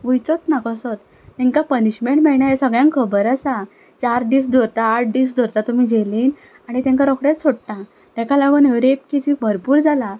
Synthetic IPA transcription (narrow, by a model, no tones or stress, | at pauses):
ʋujt͡sɔt̪nakəsɔt̪ | t̪ɛ̃ŋkapəniɕmeɳʈmɛɭɳjajesəɡɭjãŋkʰəbəɾəsa | t͡ɕaɾd̪iːs̬d̪ʱoɾt̪aːʈ̚ʰd̪iːsd̪ʱoɾt̪at̪um̤id͡ʑeliːn | aɽ̃it̪ɛ̃ŋkaɾɔkɽjet͡ssoɽʈ̪ã | t̪ɛ̃kalaɡuneʋɾep̚kit͡ɕibʱəɾpuːɾd͡zʱala